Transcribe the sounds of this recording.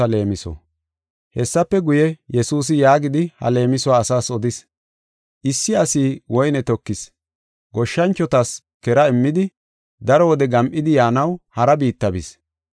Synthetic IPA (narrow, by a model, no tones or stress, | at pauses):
ɐle̞ːmɪsɔ̰ | hɛsːɐpːɛɡʊjɛjɛsuːs̬ɪjaːɡɪd̪ɪhɐ̰le̞ːmɪsʊwaːsaːsɔd̪ɪs | ʔɪsːɪɐsiːwɔjnɛt̪ɔkːɪs | ɡɔʃːɐnt͡ʃːɔt̪ɐs | kɛɾɐɛmːɪd̪ɪ | d̪ɐɾɔwɔd̪ɛɡɐmʔɪd̪ɪjaːnɐwhɐɾɐbiːt̪ːɐbɪ̰s